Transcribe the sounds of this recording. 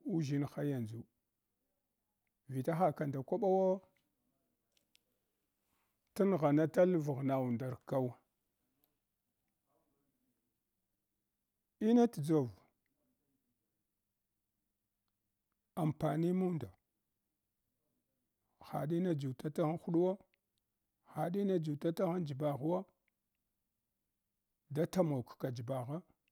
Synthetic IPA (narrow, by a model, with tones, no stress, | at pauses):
u˦ʒi˦nxa˦ja˨nd͡zu˨ | vi˨ta˦xa˦ka˨nda˨kʷa˦ɓa˦wa˦ | ta˦n˨ɣa˨na˦ta˦lvu˨ɣna˨wu˨nda˨ɾka˦w | i˦na˦td͡zo˨v | a˨mpa˨ni˦mu˦nda˨ | xa̰˨ɗi˦na˨d͡ʒu˨ta˦ta˦ɣa˦xu˦ɗu˦wa˦ | xa˨ɗi˦na˦d͡ʒu˨ta˦ta˦ɣa˦nd͡ʒi˨ba˨ɣwa˦ | da˦ta˦mo˨kka˨d͡ʒi˨ba˨ɣa˦